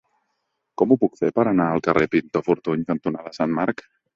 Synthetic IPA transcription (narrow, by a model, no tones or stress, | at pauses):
kɔmupukfepəɾənaəlˠkərepint̪ofuɾt̪uɲkənt̪unaðəsanmaɾk